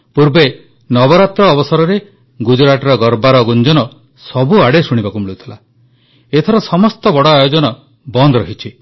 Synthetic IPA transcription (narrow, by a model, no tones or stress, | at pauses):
puɾbe | nɔbɔɾat̪ɾɔːbɔsɔɾɔɾe | ɡud͡ʒɔɾaʈɔɾɔɡɔɾbaɾɔɡund͡ʒɔnɔ | sɔbuaɽesuɽ̃ibakumiɭut̪ʰila | et̪ʰɔɾɔsɔmɔst̪ɔbɔɽɔajod͡ʒɔnɔ | bɔnd̪ɾɔɦit͡ʃʰi